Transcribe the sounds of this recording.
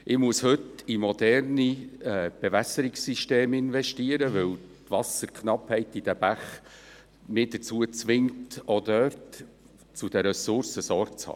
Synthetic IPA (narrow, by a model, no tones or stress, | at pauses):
ʔɪmuəshɵtimɔd̥̪ɛrniɛːb̥ɛvæsəɾɪksiʃteːmɪnvɛʃtiəɾəʋɵw | t̪ʋɑsəɾkʰχnɑphɛɪtid̥æb̥æχ | mɪːd̥ət͡suət͡sʋɪŋtod̪œːɾt | t͡sud̥əɾɛsʊɾsəsɔɾɡt͡shɑ̰ː